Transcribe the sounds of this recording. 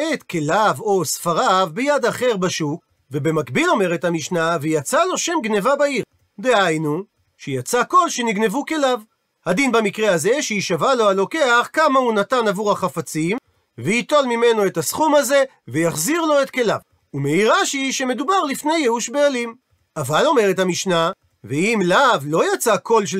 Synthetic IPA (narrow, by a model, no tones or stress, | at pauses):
et̪kʰe̞lavo̞sfaʁavbejad̪aχe̞ʁbaʃuk | ve̞be̞makbilo̞me̞ʁe̞thamiʃnavejat͡salo̞ʃe̞mɡne̞vabaiʁ | d̪e̞hajnu | ʃejat͡sako̞lʃe̞niɡne̞vuke̞lav | had̪inbamikʁehaze̞ʃeiʃavalo̞alo̞ke̞aχkamahunatanavuʁhaχafat͡sim | vehit̪o̞lmime̞no̞etasχumhaze̞ | vejaχziʁlo̞et̪ke̞la̰v | umeiʁaʃiʃe̞me̞dubaʁlifne̞jeuʃbealim | ʔavalo̞me̞ʁethamiʃna | veimlavlo̞jat͡sako̞lʃ̬